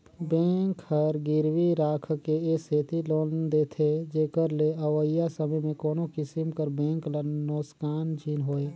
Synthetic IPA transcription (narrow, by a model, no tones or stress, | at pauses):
bɛ̃ːŋkhəɾɡɪɾwiɾaːkʰkeeːseːt̪iloːnd̪eːt̪ʰed͡ʒeːkəɾleəʋəjasəməjmẽkoːnokɪsɪmkəɾbɛ̃ːŋklənoːskaːnd͡ʒʰʱinɦoːeː